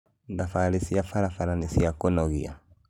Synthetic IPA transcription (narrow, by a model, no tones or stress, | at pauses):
ndafalisiafaɾafaɾanisiakɔnɔɣḭa̰